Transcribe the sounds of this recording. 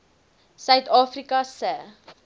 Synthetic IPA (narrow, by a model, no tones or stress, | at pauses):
sœɥtɑːfrikɐsə